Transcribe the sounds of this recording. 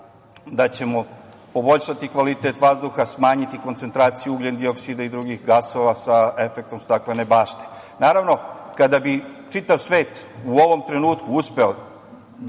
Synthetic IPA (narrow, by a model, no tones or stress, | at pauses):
d̪at͡ɕe̞mo̞ | po̞bo̞ʎʃat̪ikʋalit̪et̪ʋazd̪uxasmaːɲit̪iko̞nt̪se̞nt̪ɾaːt̪sijuuɡlend̪ioksid̪aid̪ɾuɡixɡaso̞ʋasae̞fek̚t̪o̞mst̪aklenebaːʃt̪e̥ | naːɾaʋno̞kad̪abit͡ʂit̪aʋsʋe̞ːt̪uo̞ʋo̞mt̪ɾe̞nuːt̪kuuspe̞o